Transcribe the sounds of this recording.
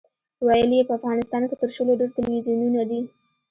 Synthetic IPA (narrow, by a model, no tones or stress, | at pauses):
wajəlijepəafɣɑnɪst̪ɑnket̪əɾʃəloɖeɾt̪ɪlwizjununad̪i